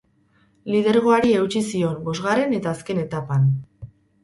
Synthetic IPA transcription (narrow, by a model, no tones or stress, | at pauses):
lið̞e̞ɾɣ̞o̞aɾie̞ut͡ʃisio̞mbo̞zɣare̞ne̞t̪aːske̞ne̞t̪apan